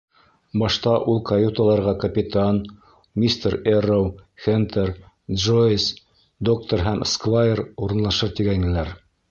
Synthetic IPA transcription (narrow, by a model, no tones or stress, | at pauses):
bɑʃt̪ɑʔulˠkɐjut̪alˠɑɾʁɑkɐpʲit̪an | mʲist̪eɾerowxent̪ʰeɾ | d̪ʒos | d̪ok̚t̪oɾɦæmskvajeɾuɾɤ̆nlˠɑʃɤɾt̪iɡæŋɘ̆læɾ